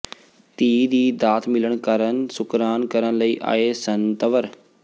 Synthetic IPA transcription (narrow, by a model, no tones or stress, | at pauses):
t̪iːd̪iːd̪aːt̪ʰmɪləɳkəɾənsʊkɾaːnkəɾənləiːʔa̰ːeːsənt̪əʋəɾ